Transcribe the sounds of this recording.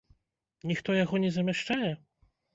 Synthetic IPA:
ɲixt̪ɔjaɡɔɲɛzamʲɛʂt͡ʂajɛ

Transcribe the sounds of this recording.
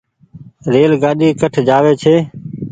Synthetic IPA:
ɾeːlɡaːɗiːkəʈʰd͡ʒaːʋeːt͡ʃʰeː

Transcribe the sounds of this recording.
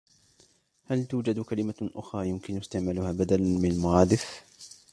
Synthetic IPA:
halt̪uːd͡ʒad̪kalɪmaʔʊxɾˤɑːjʊmkɪnʊst̪ɪʕmalʊhaːbad̪alanmɪnalmaɾˤɑːd̪ɪf

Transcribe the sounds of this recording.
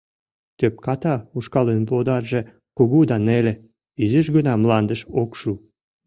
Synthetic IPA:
t̪øp̚kɑt̪ɑuʃkɑlenbod̪ɑrʒĕ | koɣud̪ɑnelĕ | iziʃɡənɑmlɑnd̪əʃokʃu

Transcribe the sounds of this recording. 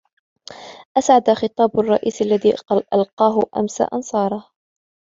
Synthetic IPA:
ʔasʕad̪axɨt̪ˤɑːbarˤːɑ̰ʔiːsalːaðiːʔa̰lqɑːɦʊʔa̰msa̰ʔɑnsˤɑːɾˤɑh

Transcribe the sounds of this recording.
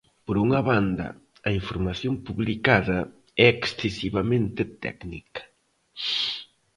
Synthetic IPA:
poɾuŋɐβand̪ɐ̰ | ɐiɱfoɾmaθjompuβlikaðɐ | ɛeksθesiβamẽnt̪et̪ɛ̰knikɐ̥

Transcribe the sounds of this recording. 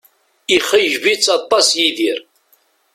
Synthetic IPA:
iχəʒvit͡sːɑt̪ˤːɑsjiðiɾ

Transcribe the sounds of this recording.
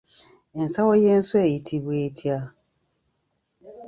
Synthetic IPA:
ensawojeːnsweːjitʰiβweːtʰja

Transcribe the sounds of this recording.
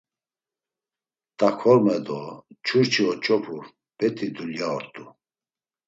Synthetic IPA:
t̪ʼakʰɔɾmɛd̪ɔt͡ʃʰuɾt͡ʃʰiɔt͡ʃʼɔpʰu | b̥ɛt̪ʰʼid̪uljaɔɾt̪ʼu

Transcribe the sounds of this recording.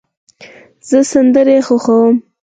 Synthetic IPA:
z̥əsand̪əɾexoxawəm

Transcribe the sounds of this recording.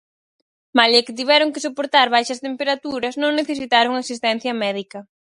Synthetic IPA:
malekɪt̪̬iβɛɾʊŋkɪsopoɾt̪aɾβajʃɐst̪empeɾat̪uɾɐsnõŋneθesit̪aɾʊŋasist̪ɛn̟θjɐmɛðikɐ

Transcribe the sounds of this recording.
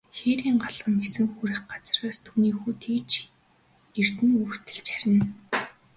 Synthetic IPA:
xeɾiːŋɢaɮʁə̆nesɘ̆ŋxuɾɘ̆χɢat͡sraːst̪ʰuːniːxuːt̪ʰiːt͡ɕ | er̥t̪ɘ̆nuːr̥t̪ɘ̆ɮt͡ɕæɾʲɪ̆n

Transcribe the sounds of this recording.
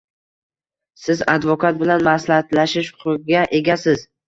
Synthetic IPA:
sɪzad̪vokʰat̪̚bɪlanmaslahat̪laʃɪʃqʰʊɡʲaʔe̞ɡʲasɪz̥

